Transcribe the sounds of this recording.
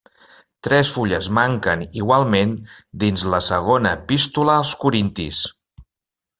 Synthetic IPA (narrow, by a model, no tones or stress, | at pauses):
t̪ɾɛsfuʎəzmaŋkəniɣwalˠmend̪inzləsəɣ̞onəpist̪uləːlˠskuɾint̪ḭs